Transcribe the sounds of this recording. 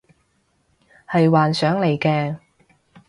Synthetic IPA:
hɐ˨jwaː˨nsœː˨˥ŋle˨˩jkɛː˧

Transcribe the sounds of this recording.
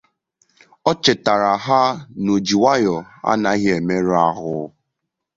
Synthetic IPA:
ɔ˦t͡ʃɪ˨ta˨ɾa˨ɦa˦no˨d͡ʒi˨wa˦jɔ˨a̰˦na˦ɣe˨me˦ɾa˦ɣʊ˦

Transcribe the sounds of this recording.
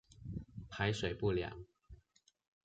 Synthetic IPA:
pʰa˧˦ɪʂwe˨˩ɪpu˥˩ljɑ̰˨˦ŋ

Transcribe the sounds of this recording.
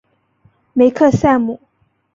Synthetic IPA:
me˨˧˦ɪkʰɤ˥˧sa˥˧nmu˨˩

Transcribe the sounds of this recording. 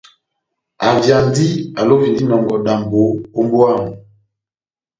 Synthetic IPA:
a˨vja˨n˦di˦a˨lo˦vi˨ndi˦nɔ˨mbɔ˨da˨m˨bo˨˦o˦mbo˦a˦˨m˨

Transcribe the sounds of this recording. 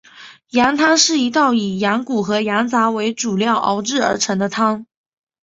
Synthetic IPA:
ja˧˥ŋt̪ʰɑ˥ŋʂɻ̩˥˩i˧˥t̪ɑ˥˩ʊi˨˩ja˧˥ŋku˨˩xɤ˧˥ja˧˥ŋt͡sa˧˥we˧˥ɪʈ͡ʂu˨˩ljɑ˥˩ʊʔɑ̰˧˥ʊʈ͡ʂɻ̩˥˩ə̰˞˧˥ʈ͡ʂʰɤ˧˥ŋd̪ə˧t̪ʰɑ˥ŋ

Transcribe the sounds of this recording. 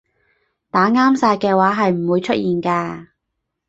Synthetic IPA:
t̪aː˨˥ŋaː˥msaː˧jkɛː˧waː˨˥ɦɐ˨jm̩˨˩wuː˨˧jt͡ʃʰɵ˥t̚jiː˨nkaː˧

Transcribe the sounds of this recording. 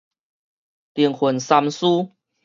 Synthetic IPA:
t̪jiɛ˨˩˦nxwə˨˩nsa˧msu˦

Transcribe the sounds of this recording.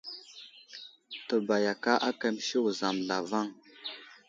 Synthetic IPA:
tə˨ba˨ja˨ka˦ʔa˦ka˦m˦ʃi˦wu˨za˨m˨ɮa˨va˦ŋ

